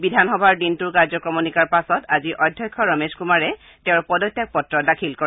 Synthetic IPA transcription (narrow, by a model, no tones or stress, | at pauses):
bidʱanxɔbʱaɹdintuɹkaɹzɔkɹɔmonikaɹpasɔtaziʔɔdʱjɔjkʰːɔɹɔmeskumaɹɛ | tẽʊɹpɔdɔtːjak̚pɔtɹɔdakʰilkɔ